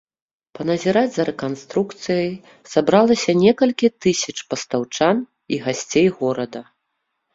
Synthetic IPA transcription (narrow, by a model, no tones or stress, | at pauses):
pɐnɐzʲɛɾad͡zʲzɐɾɛkanst̪ɾukt̪sɨjɐj | sabɾalˠɐsʲɐnʲɛkɐlʲkʲit̪ɨsʲɐt͡ʂpɐst̪awt͡ʂan | iɣasʲt͡sʲejɣɔɾɐd̪ɐ